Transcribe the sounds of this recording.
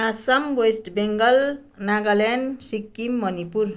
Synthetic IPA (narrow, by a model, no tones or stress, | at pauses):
asʌmwesʈbeŋɡʌl | naɡʌlensikːimːʌnipuɾ